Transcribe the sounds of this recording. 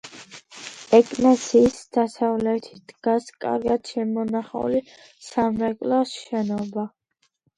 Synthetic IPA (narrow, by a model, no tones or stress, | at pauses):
ɛkʼnasiːsd̪̥asavlɛt̪ʰi̥d̪̥ɡaskʼa̰ɾɡad̪ʃɛmɔnaχa̰uli | samɾɛkʼlasʃɛnɔba